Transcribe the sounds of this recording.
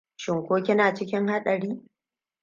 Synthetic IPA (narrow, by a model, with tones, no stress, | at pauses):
ʃɪ˨ŋkʷoː˦kʲɪ˦naː˨t͡ʃɪ˦kʲɪ˦ŋha˦ɗɐ˨ɽiː˦